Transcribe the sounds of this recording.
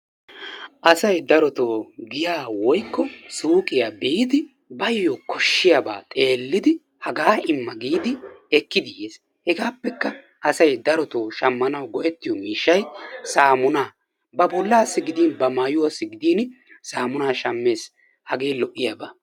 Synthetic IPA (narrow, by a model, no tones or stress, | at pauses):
ʔɐsɐjd̪ɐɾɔt̪oːɡɪjaːwɔjkːɔsuːkʼɪjaːbeːd̪ɪ | bɐjːoːkɔʃːɪjaba̰ːt̪ʼe̞ːlːɪd̪ɪ | hɐɡaːɪmːɐɡiːd̪ɪɛkːɪd̪ɪʔeːs | hɛɡaːpːɛkːɐ | ʔɐsɐjd̪ɐɾɔt̪oːʃɐmːɐnɐwɡɔʔɛt̪ːɪjɔmiːʃːɐjsaːmʊnaː | bɐbɔlːɐːsːɪɡɪd̪iːnbɐmaːjʊwɐsːɪɡɪd̪iːn | saːmʊnaːʃɐmːe̞ːs | hɐɡeːlɔʔːɪjaːba̰ː